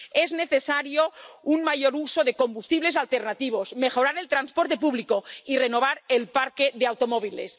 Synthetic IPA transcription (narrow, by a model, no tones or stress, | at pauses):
ezneθesaɾjounmaʝoɾuso̞ðeko̞mbust̪iβle̞s̬alt̪eɾnat̪iβ̞o̞zme̞xo̞ɾaɾe̞lt̪ɾanspoɾt̪e̞p̬uβlikoireno̞β̞aɾelpaɾkeðeawt̪omoβ̞ilḛs